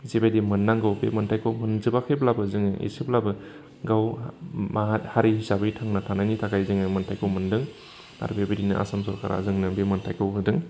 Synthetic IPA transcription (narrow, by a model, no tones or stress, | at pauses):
zibajdimɯnːaŋɡɯwbemɯntʰajkʰɯwmɯnzɯbakʰeblabɯzɯŋɯʔḭsiblabɯ | ɡawmaɦat̚haɾihisabɯitʰaŋnatʰanajnitʰakajzɯŋɯjmɯntʰajkʰowmɯndɯŋ | a̰ɾbebiɾinɯ̰ʔa̰samsɔɾkʰaɾa̰zɯŋnɯbemɯntʰajkʰɯwɦɯdɯŋ